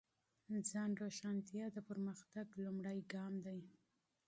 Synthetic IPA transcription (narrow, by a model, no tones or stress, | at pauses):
d͡zɑnɾoʃant̪ijɑd̪əpəɾməxt̪aɡlumɽajɡɑmd̪aj